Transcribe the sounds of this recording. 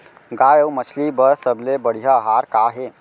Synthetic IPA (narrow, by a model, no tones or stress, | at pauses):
ɡaːjəwmət͡ʃʰlibəɾsəblebəɽ̤ijaɦaːɾkaːɦe